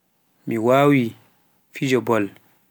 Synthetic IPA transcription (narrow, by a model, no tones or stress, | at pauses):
miwaːwi | fid͡ʒɔbɔl